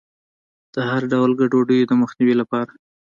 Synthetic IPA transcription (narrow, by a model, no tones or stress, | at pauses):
d̪̥əhaɾɖawlɡaɖoɖəjod̪əməxniwilapɑɾa